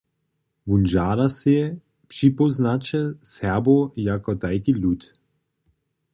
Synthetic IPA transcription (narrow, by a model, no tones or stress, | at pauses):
vund͡ʒaːlase | pʃipɔznat͡ʃɛsɛbojakɔd̪ajkilut̪